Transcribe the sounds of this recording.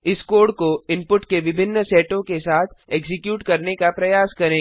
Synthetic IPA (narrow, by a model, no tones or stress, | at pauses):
ɪskoːɾɖkoɪ̃mpʊʈkeʋɪbʱɪnːsɛːʈõkesaːt̪ʰeːkzɪkjuːʈkɐɾnekapɾɐjaːskɐɾẽː